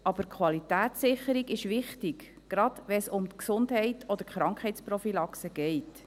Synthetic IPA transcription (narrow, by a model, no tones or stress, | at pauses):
ʔɑb̥əɾkʰχwɑlitæːtsɪχəɾiɡɪʃʋɪχtiɡ | ɡ̥ɾɑd̥ʋɛsʊmt̪ksʊndɦɛɪtʰɔd̪əɾχɾɑŋkχɛjt͡sprɔfilɑksəɡ̥ɛɪt